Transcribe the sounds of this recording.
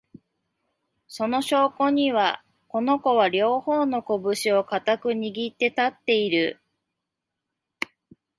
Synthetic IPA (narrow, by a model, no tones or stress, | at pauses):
so̞no̞ɕo̞ːko̞ɲ̟iβa | ko̞no̞ko̞β̞aɾʲo̞ːho̞ːno̞ko̞bɯ̟ɕio̞kat̪akɯ̟ɲ̟iɡʲit̪ːe̞t̪at̪ːe̞iɾɯ̟